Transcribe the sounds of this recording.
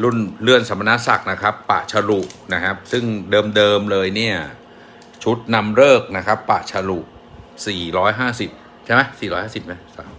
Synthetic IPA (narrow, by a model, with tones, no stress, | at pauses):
lu˥˩nlɯ˧˩ənsa˩˦ma˧na˦˥sa˨˩k̚na˦˥kʰa˦˥pːa̰ː˨˩t͡ɕʰa˧lu˨˩ʔna˦˥kʰa˦˥p̚sɯ˥˩ŋdɤː˧mdɤː˧mlɤː˧jni˥˩ɐ | t͡ɕʰu˦˥t̪̚na˧mɾɤː˥˩k̚na˦˥kʰa˦˥pːa̰˨˩ʔt͡ɕʰa˧lu˨˩ʔ | siː˨˩ɾɔː˦˥jɦaː˥˩si˨˩p̚ | t͡ɕʰa˥˩jma˦jsiː˨˩ɔ˦jhaː˥˩si˨˩p̚ma˦˥˩saː˩˦